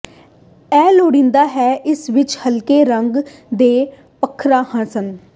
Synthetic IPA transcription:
ɛːloːɽĩːnd̪aːɦɛːʔɪsʋɪt͡ʃhəlkeːɾəŋɡd̪eː | pəkʰːɾaːhə̃nsən

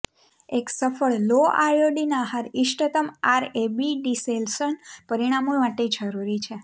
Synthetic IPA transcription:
eksəfəɭloʔa̰joɖinaɦaɾiʃʈət̪əmaɾebiɖiselsənpəɾiɽ̃amomaʈed͡ʒəɾuɾit͡ʃʰe

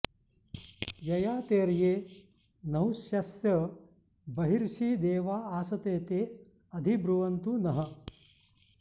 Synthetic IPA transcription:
jɐjaːt̪eːɾjeː | nɐɦuʃjɐsjɐ | bɐɦiɾʂiːd̪eːʋaːaːsɐt̪eːt̪eː | ɐd̪ʱibɾuʋɐnt̪unɐɦɐ̆

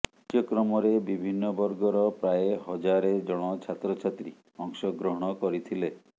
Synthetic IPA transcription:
t̪jɔkɾɔmɔɾebibʱinːɔbɔɾɡɔɾɔpɾaeɦɔd͡ʒaɾed͡ʒɔɽ̃ɔt͡ʃʰat̪ɾɔt͡ʃʰat̪ɾi | ɔŋsɔɡɾɔɦɔɽ̃ɔkɔɾit̪ʰile

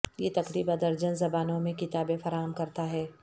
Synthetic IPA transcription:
jeːt̪ɐqɾiːbɐd̪ɐɾd͡ʒənzɐbaːnõmẽkɪt̪aːbẽfɐɾaːɦəmkɐɾt̪aɦɛː

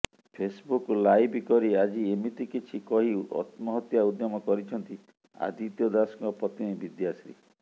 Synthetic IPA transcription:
pʰesbuklajbikɔɾiad͡ʒiemit̪ikit͡ʃʰikɔɦiɔ̰t̪mɔɦɔt̪jaud̪jɔmɔkɔɾit͡ʃʰɔnt̪i | a̰d̪it̪jɔd̪asŋɔpɾɔt̪inibid̪jasɾḭ

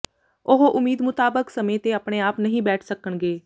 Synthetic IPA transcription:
ʊɦoʔʊmiːd̪mʊt̪aːbəksəmẽːt̪eːəpɽeːaːpnəɦĩːbɛːʈʰsəkəɳɡeː

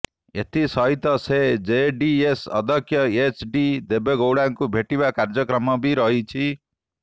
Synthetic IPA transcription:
ḛt̪isʌɦit̪ʌsed͡zeɖiesʌ̰d̪ʱʌkʰjʌet͡ʃʰɖid̪ebjeɡowɽaŋkubʱeʈibakaɾd͡zʌkɾʌmːʌbiɾʌɦit͡ʃʰi

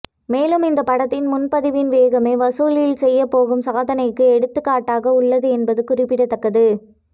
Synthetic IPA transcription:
meːlɯmɪnd̪ɐpːɐɽɐt̪ːɪnmʊnpɐðɪʋɪnʋeːɣɐmeːʋɐsoːlɪjɪlsɛjːɐpːoːɣɯmsɐɣɐðɐnɐɪkːɯɛɽɯt̪ːɯkːaːʈːaːɣɐʊɭːɐðɯɛnbɐðɯkʊrɪpːɪɽɐt̪ːɐkːɐðɯ

